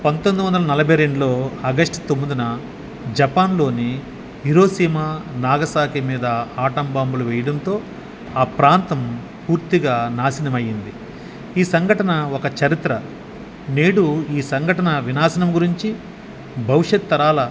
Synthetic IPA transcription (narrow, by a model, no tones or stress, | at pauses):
pɐnt̪ond̪uʋɐnd̪ɐlɐnɐlɐbʱɐjɾe̞ɳɖulo̞ːɐɡɐsʈt̪omːid̪inɐ | d͡ʒɐpaːnlo̞ːni | ɦiɾo̞ːsiːmanaːɡɐsaːkʰimiːd̪ɐaːʈɐmbaːmbuluʋɛjɐɽɐnt̪o̞ː | aːpɾaːnt̪ɐm | puːɾt̪iɡaːnaːsinɐmɐjːind̪i | iːsɐŋɡʱɐʈɐnɐɔkɐt͡ʃɐɾit̪ɾɐ | neːɽuiːsɐŋɡʱɐʈɐnɐʋinaːsɐnɐmɡuɾiɲt͡ʃi | bʱɐʋiʂjɐt̪̚ːɐɾaːlɐ